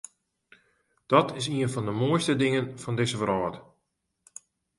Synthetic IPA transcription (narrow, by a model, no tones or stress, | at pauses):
d̥ɔtɪs̬iənfɔndəmoəjstədɪŋənfɔndɪsəvəɾɔːt